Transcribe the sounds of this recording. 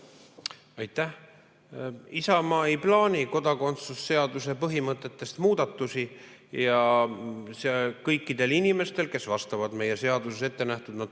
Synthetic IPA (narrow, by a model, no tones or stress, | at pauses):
ɑjt̪ːˑæh | isɑmɑːiplɑːnʲiko̞d̪ɑko̞nt̪susːe̞ɑd̪̥us̬e̞pɤɦimɤt̪ˑːe̞t̪ːe̞st̪muːd̪̥ɑt̪ːˑusi | jɑ | sekɤjkːˑid̪̥e̞linime̞st̪e̞lke̞svɑst̪ɑvɑd̪̥me̞je̞se̞ɑd̪usese̞t̪ːe̞næht̪ud̪nɑd̪̥